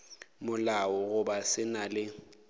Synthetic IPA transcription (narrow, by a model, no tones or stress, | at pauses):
mʊlaɔɣʊbasɪnalɪ